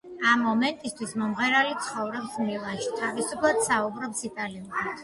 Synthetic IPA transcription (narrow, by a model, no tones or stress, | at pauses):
amːɔmɛnt̪ʼist̪ʰwismɔmʁɛɾalit̪sʰχɔvɾɛpsmilˠat͡ʃʰt̪ʰavisupʰlˠad̪̥saubɾɔpsit̪ʼaliuɾad̪̥